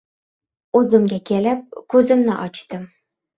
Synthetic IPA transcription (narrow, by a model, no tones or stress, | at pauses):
uzɘ̆mɡʲækʲælɘp̚kʉzɘ̆mnɘ̰ʔɒt͡ɕt̪ɤm